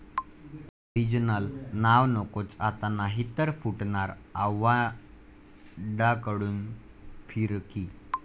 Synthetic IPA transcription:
ɾid͡ʑnəlnaʋnokot͡sat̪anaɦit̪əɾfuʈɳaɾaʋa | ɖakəɽuːn | fʰiɾki

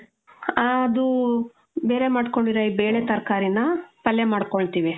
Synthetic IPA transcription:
ɐd̪u | be̞ːɾe̞maːɖko̞ɳɖiɾɐibeːɭet̪ɐɾkaːɾinɐpɐlːemaːɽkoɭt̪iːʋi

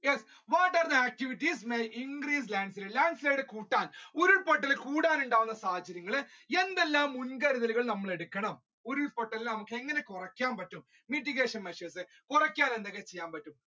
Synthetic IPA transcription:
jes | ʋaːʈːɐrd̪ɐaːk̚ʈiʋitːismejiŋɡɾiːs̬laːɳɖsilɨlaːɳɖsleːɽɨkuːʈːaːnoɾuɭpɐʈ̬ːɐlkuːɽaːnuɳɖaːʋunːɐsaːɐt͡ɕːɐɾjɐŋːɐɭɨe̞nd̪elːaːmːunkɐɾuðɐluɣɐɭnɐmːɐɭe̞ɽukːɐɳɐm | oɾuɭpɐʈːɐlilnɐmukːɨe̞ŋːɐne̞kurɐkʲːaːnpɐtːum | miʈ̬ːiɣe̞ːʂɐnmeʂeːsɨ | kurɐkʲːaːnend̪ɐɣːet͡ɕe̞jːaːnpɐtːum

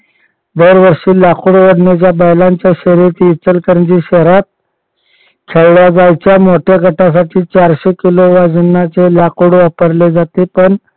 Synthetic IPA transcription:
d̪əɾʋəɾʂiːlakuːɽʋəɽɳat͡ɕjabəjlaɲt͡ɕjaɕeɾet̪ːt͡səlkəɾnd͡ʑiːɕeɾat̪̚ | kʰeɭɭjad͡zajt͡ɕjamoʈʰjaɡʱəʈʰas̬aʈʰiːt͡ɕaɾɕekiloʋad͡ʑənːat͡selakuːɽʋapəɾled͡zat̪epəɳ

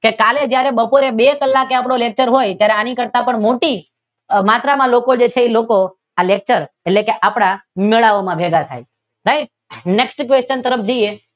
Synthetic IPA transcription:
kekaled͡ʒjaɾebəpoɾebekəlːakeapɽ̃olek̚t͡ʃəɾɦojt̪jaɾeanikəɾt̪apəɳmoʈi | mat̪ɾamãlokod͡ʒet͡ʃʰeiloko | alek̚t͡ʃəɾ | eʈlekeʔapɽ̃ameɭaʋomãbʱeɡat̪ʰa̰j | ɾaiʈ̚ | neksʈkʋest͡ʃənt̪əɾəpʰd͡ʒoje

